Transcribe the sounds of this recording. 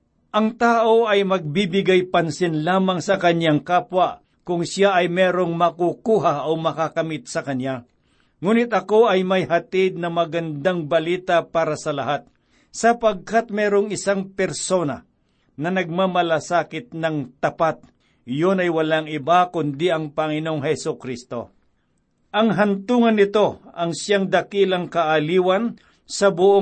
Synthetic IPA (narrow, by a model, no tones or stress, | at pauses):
ʔɐŋt̪aːʔo̞ʔɐjmɐɡ̚bibɪɡajpɐnsɪnlaːmɐŋsɐkɐnjaŋkaːpwɐʔ | kʊŋsjaʔɐjmɛːɾoŋmɐkukuːɦaʔomɐkakɐmɪt̪̚sɐkɐnja | ŋuːnɪt̪ɐko̞ʔɐjmɐjhɐt̪ɪd̪̚nɐmɐɡɐnd̪aŋbɐliːt̪apaːɾɐsɐlɐɦat̪̚ | sɐpɐɡ̚kat̪̚mɛːɾoŋɪsaŋpɛɾso̞ːnɐ̰ | nɐnɐɡ̚mamɐlasaːkɪt̪̚nɐŋt̪ɐpat̪̚ | jonɐjwɐlaŋɪbakʊnd̪ɪʔɐŋpɐŋɪno̞ŋhɛsʊkɾist̪o̞̰ | ʔɐŋɦɐnt̪uːŋɐnːɪt̪o̞ɐŋsjaŋd̪ɐkilɐŋkɐʔaliːwɐn | sɐbʊʔo